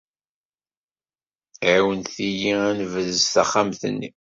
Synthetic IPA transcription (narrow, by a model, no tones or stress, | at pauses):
ʕiwənθijiænvəðzθæχːamθə̰nːḭ